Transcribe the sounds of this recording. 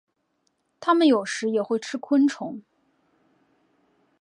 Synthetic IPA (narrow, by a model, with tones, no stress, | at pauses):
t̪ʰa˥mə˨njo˨˩ʊʂɻ̩˧˥jɛ˨˩xwe˥˩ɪʈ͡ʂʰɻ̩˥kʰwə˥nʈ͡ʂʰʊ˧˥ŋ